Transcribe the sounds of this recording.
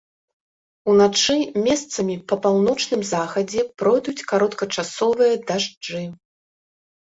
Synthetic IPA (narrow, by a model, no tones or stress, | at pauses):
unat͡ʂɨmʲɛst̪sɐmʲipɐpawnɔt͡ʂnɨmzaxɐd͡zʲɛpɾɔjd̪ut͡sʲkaɾɔt̪kɐt͡ʂasɔvɨjɐd̪aʐd͡ʐɨ